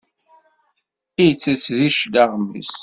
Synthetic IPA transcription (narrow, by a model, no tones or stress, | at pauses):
ijt͡sːət͡sːðiʃlaʁmːḭs